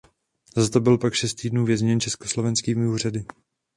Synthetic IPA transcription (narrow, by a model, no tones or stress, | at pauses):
zat̪obɪlpakʃɛst̪iːdnuːvjɛzɲɛnt͡ʃɛskoslo̞vɛnskiːmɪuːr̝adɪ